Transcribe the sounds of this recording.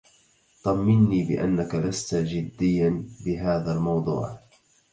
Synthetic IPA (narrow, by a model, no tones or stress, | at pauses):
t̪ˤɑmːɪnːiːbɪ̰ʔa̰nːakalast̪ad͡ʒɪd̪ːɪjːanbɪɦaːðalmɑwd̪ˤṵːʕ